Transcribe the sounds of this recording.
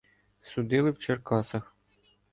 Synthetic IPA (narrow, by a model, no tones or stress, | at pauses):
sud̪ɪlˠɪwt͡ʃerkɑsɐx